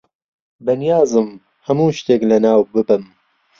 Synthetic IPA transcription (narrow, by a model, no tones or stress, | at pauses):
bɐnijaːzɨm | hɐmuːʃt̪eːklɐnaːwbɨbɨm